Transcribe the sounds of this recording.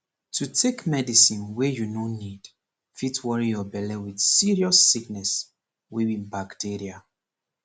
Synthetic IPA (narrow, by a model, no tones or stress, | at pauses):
tʰutʰekmɛdisĩnwɛjunonid̥ | fitwɔɹijɔbɛlɛwidsiɹiɔsːiknɛs | wiwĩnbaktʰiɹia